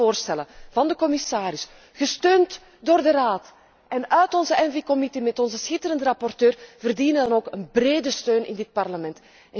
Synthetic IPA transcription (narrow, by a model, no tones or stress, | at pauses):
oːrstɛlənvɑndəkɔmɪsaːɾɪs | ɣəstøːnt | doːrdəraːt | ʔɛnœɥtɔnzəʔɛnvikɔmitemɛtɔnzəsxɪtəɾəndərɑpɔrtøːrv̥ərdinədɑnoːkənbreːdəstøːnʔɪ̰ndɪt̚pɑrləmɛnt | ɛ